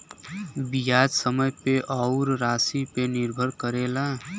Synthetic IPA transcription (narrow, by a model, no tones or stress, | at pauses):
bijad͡ʒsəməjpeʔɔʊɾɾaːsipenɪɾbʱəɾkəɾeːla